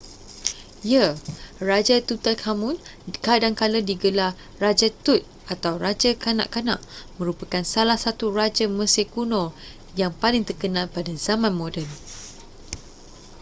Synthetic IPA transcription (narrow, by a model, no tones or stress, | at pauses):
jərad͡ʒat̪ut̪alkʰamũnkadaŋkalədiɡəla | rad͡ʒat̪ut̪̚ | at̪awrad͡ʒakana̰ʔkanãʔmə̃ɾupakansalahsat̪urad͡ʒaməsekunɔ | jaŋpalɪŋt̪ərkənãlpadazamãnmõdɛl